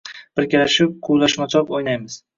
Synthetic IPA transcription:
b̥ɪɾkʲalaʃɪp̚qʰuwlˠaʃmat͡ʃʰɒpojnajmɪz̥

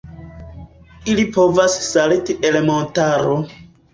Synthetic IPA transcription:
ilipo̞vassalitiʔe̞le̞montaɾo

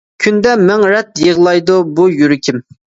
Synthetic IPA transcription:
kʲʰynd̪ɛmɛŋɾɛt̪jəʁlˠɑjd̪ubujyɾɪkʲʰim

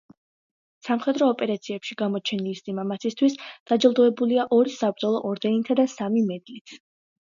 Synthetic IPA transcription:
samχɛd̪ɾɔːpʼɛɾat̪sʰiɛpʃiɡamɔt͡ʃʰɛnilisʼimamat̪sʰist̪ʰwisd̪̥ad͡ʒɛlˠd̪ɔɛbuliaʔɔɾisab̚ɾd̪zɔlˠɔʔɔɾd̪ɛnit̪ʰad̪asamimɛd̪lit̪ʰ

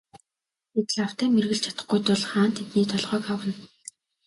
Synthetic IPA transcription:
et̪ɘ̆ɮaw̥t̪æːmerɣɘ̆ɬt͡ɕʰḁt̪ə̆χɡujt̪ʊɮχaːnt̪ʰet̪niːt̪ʰɔɮʁœːkawə̆n

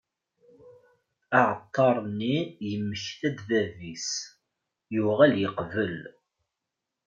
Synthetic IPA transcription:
aʕət̪ˤːɑɾˤnːijəmːəçθæd̪ðævis | juʁæljəqvəl

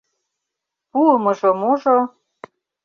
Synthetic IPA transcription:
puəməʒomuʒo

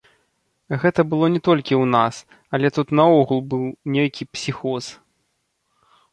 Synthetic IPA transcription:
ɣɛt̪ɐbɨlˠɔnʲɛt̪ɔlʲkʲiwnas | ɐlʲɛt̪ut̪nɐɔɣulˠbɨlˠnʲejkʲipsʲixɔs

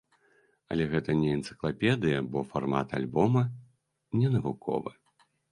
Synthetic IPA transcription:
ɐ̰lʲɛɣɛt̪ɐnʲɛɛnt̪sɨ̥klˠapʲɛd̪ɨjɐbɔfarma̰t̪a̰lʲbɔmɐ | nʲɛnɐvukʰɔ̰vɨ

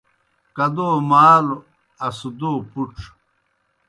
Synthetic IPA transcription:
kɐd̪oːmaːl | ɐsud̪opuʈ͡ʂ

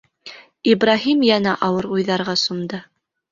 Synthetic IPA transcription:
ibɾaɦimjænæʔɑwɤɾujðɑɾʁɑsumd̪ɤ

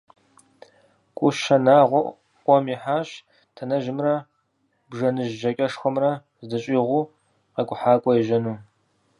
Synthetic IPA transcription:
kʷʼʊʃɐnaːʁʷɔ | qʷʼɔmiħaːɕ | tʰɐnɐʒɪmrɐ | bʐɐnɨʒʒɐkʼɐʂxʷɐmrɐ | zdɨɕʼiːʁʷuː | qekʷʼʊħaːkʷʼɔjɛʒɐnuː

